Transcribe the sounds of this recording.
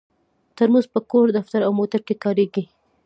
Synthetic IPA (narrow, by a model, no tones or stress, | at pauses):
t̪əɾmuzpəkoɾd̪aft̪aɾawmot̪aɾkekɑɾeɡi